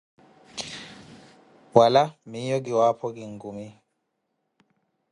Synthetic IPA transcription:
walamijɔk̬iwapʰɔk̬ʼiŋɡumi

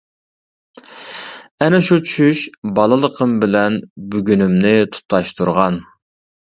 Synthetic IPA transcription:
ɛnɛʃut͡ʃʰy̥ʃyʃbɑlˠəlˠəqʰəmbɪlɛnbyɡʲynymnɪt̪ʰu̥t̪ʰːɑʃt̪ʰuɾʁɑn

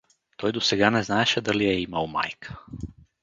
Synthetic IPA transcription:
t̪ojd̪oseɡaneznaːʃad̪alijeimaoma̰jkʰḁ

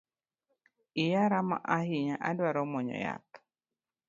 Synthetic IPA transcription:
ɪjaɾama̰ʔaɦiɲaʔadwaɾɔmɔɲɔ̰ja̰t̪

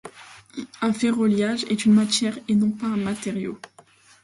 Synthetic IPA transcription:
ɛ̃feʁɔljaʒɛt̪ynmat̪jɛʁenɔ̃paɛ̃mat̪eʁjo̰

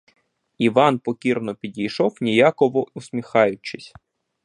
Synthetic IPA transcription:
iʋɑnpɔkʲirnɔpʲidʲijʃɔwnʲijakɔʋɔusʲmʲixɑjʊt͡ʃɪsʲ

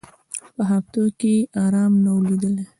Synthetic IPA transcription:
pəɦaft̪okeʔɑɾɑmnawlid̪əle

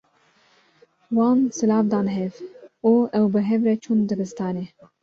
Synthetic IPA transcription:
wɑːnsɨlɑːfd̪ɑːnɦɛvuɛwbɨɦɛvɾɛt͡ʃʰund̪ɨbɨst̪ɑːneː

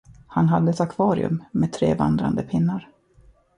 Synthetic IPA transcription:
hanɦad̪ːəɛt̪akʰvɑːɾɪ̰ɵ̰mːeːd̪t̪ʰɾḛːva̰nd̪ɾa̰nd̪əpʰɪnːaɾ

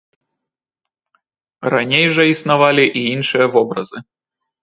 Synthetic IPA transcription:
ranʲejʐɐisnavalʲiʔiinʂɨjɐvɔbɾɐ̰zɨ

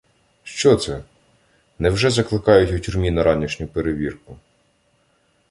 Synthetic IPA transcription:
ʃt͡ʃɔt̪sɛ | nɛwʒɛzɐklˠɪkɑjʊtʲʊtʲʊrmʲinɐɾɑnʲiʃnʲʊpeɾeʋʲirkʊ

